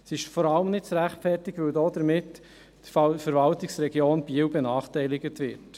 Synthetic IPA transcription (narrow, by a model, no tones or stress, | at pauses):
sɪʃfɔɾɑləmnɪt̚t͡sɾæχtfɛɾtɪɡvɵwdɔːd̪əɾmɪt | fɛɾvɑltɪksɾɛɡjoːnb̥iəwbenɑːχtɛɪlɪɡət̪ʋɪɾt